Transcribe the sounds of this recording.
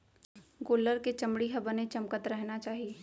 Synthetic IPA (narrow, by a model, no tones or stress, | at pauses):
ɡoːləɾket͡ʃɐmɽiɦɐbənet͡ʃɐmkət̪ɾɛɦnat͡ʃaːɦieː